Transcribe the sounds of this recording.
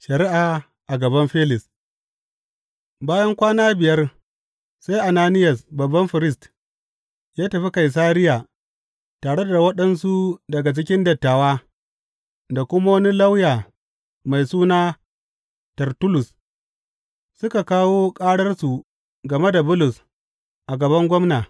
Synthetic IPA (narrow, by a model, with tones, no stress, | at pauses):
ʃɐ˨ɾɪ˦ʔa˨ | ʔa˨ɡɐ˨bɐ˦mɸeː˦lɪ˨s | baː˦jɐ˦ŋkʷaː˦naː˦bɪ˨jɐ˦r | sa˦jʔa˨naː˦nɪ˦jɐ˨sbɐ˨bːɐ˦mɸɪ˨ɾɪ˦st | jaː˦tɐ˨ɸi˦ka˨js̬aː˦ɾɪ˦jaː˨ | taː˨ɽe˦da˨wɐ˦ɗɐ˦nsu˦dɐ˨ɡa˨t͡ʃɪ˦k̬ʲɪ˦ndɐ˨tːaː˨waː˦ | da˨kʷʊ˦ma˦wni˦lɐ˦wjaː˨ | ma˨jsuː˦naː˦ | tɐ˨rtʊ˦lʊ˨s | sʊ˦ka˨kaː˦woː˦kʼaː˦ɽɐ˦rsu˨ | ɡɐ˨me˦da˨bʊ˦lʊ˨s | ʔa˨ɡɐ˨bɐ˦ŋɡʷɔ˦mnaː˨